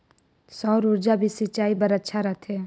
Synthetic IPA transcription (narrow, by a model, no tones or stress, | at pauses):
sɔːɾʊɾd͡ʒabʱisɪt͡ʃaːibɐɾətːʃʰaɾɐt̪ʰeː